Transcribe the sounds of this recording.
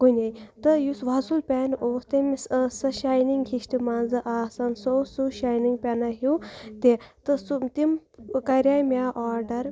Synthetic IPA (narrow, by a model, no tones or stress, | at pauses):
kunʲejt̪ɨjusʋasulpʲanoːst̪ɐmssɐʃaːjniŋɡhiʃtimaːnzɨʔaːsɐnsoːsuʃaːjniŋɡpʲenaɦut̪et̪ɨsut̪imkɐɾʲaːjmʲaːʔaːɾɖɐɾ